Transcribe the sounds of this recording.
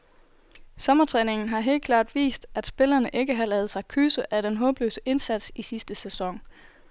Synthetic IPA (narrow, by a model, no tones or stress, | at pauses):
sɒ̽mɐt͡sʰʁɛːne̝ŋn̩ɦɑ̈ɦe̝̰ːl̥̚kʰlɑ̰̈ːd̥ʋḭːsd̥æd̥sb̥e̝lɐnəʔe̝ɡ̥əɦɑ̈lɛːð̞̩ˠsɑ̈ɪkʰyːsəʔæɾ̥enɦɔ̽ːb̥lø̰ːsəʔe̝nsæd̥sisisd̥əsesɒ̽ŋ